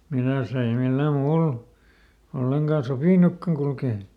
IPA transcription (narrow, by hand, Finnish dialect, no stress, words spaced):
milæs ei milːæ muːl olːeŋkɑˑ sopiˑnukːɑŋ kulkeː